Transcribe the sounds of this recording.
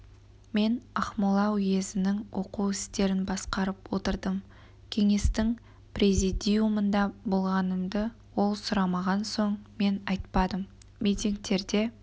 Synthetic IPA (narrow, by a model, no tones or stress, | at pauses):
me̞nɑχmʊlˠɑwje̞zɪnɪŋwʔo̞̰quwɪst̪e̞ɾɪnbɑsqɑɾəpwo̞t̪əɾd̪əm | kʲʰe̞ŋe̞st̪ɪŋ | prʲezid̪ʲijumənd̪ɑbolˠʁɑnəmd̪ə | wo̞lˠsʊɾɑmɑʁɑnso̞ɴme̞nɑjt̪pɑd̪əmː | ijt̪ʲiŋk̚t̪e̞ɾd̪e̞